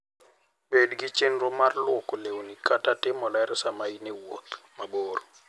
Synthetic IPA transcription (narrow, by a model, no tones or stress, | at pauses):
bedɡɪt͡ʃenɾomarlwɔkolewonikatatɪmɔlɛɾsamainewo̰t̪maboɾo